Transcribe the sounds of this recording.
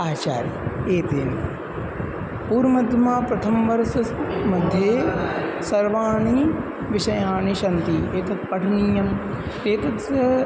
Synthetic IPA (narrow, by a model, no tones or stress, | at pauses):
aːt͡ʃa̰ːɾḭeːt̪eːn | puːɾmɐd̪ʱjɐmaːpɾɐt̪ʰɐmʋɐɾsɐmɐd̪ʱjeːsɐɾʋaːɳi | ʋiʃɐjaːɳiʃɐnt̪ieːt̪ɐt̪̚pɐʈʰɐniːjɐm | t̪eːt̪ɐt̪ɐ